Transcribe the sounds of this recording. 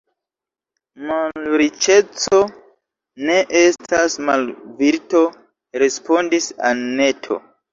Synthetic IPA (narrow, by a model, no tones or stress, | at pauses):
malɾit͡ʃe̞t͡so̞ | ne̞ʔestʰasmalviɾto̞ | ɾe̞spo̞ndisa̰lne̞tʰo̞̰